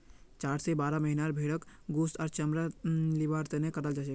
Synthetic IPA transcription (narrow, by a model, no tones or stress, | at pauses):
t͡ʃaɾsebaɾaməɦinaɾbʱeɽəkɡust̪aːɾt͡ʃəmɾalibaɾt̪ənekəɾəld͡ʒat͡ʃɛ